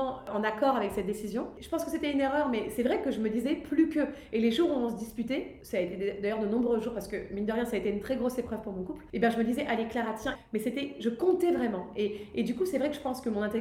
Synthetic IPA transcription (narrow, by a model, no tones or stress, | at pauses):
ɑ̃ɑ̃nakɔʁavɛksɛt̪̚d̪esizjɔ̃ʒəpɑ̃skəset̪ɛyneʁœʁmɛsɛvʁɛkəʒəməd̪izɛplykʲəeleʒuʁũvɑ̃s̬əd̪ispyt̪esaaːet̪ed̪ajœʁd̪ənɔ̃bʁøʒuʁpaʁsə̥kəmild̪əʁjɛ̃saːet̪eynt̪χɛɡʁosepχœv̥puʁmɔ̃kuplebjɛ̃ʒəməd̪izɛʔaleklaʁat̪jɛ̃mɛset̪ɛʒəkɔ̃t̪ɛvʁɛmɑ̃eːd̪ykusɛvʁɛkəʒəpɑ̃skəmɔ̃nɛ̃t̪e